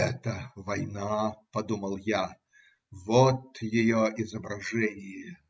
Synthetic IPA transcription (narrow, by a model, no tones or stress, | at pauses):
ɛt̪əvɐjnapɐd̪uməlˠja | vot̪jɪjoɪzəbɾɐʐɛnʲɪjɪ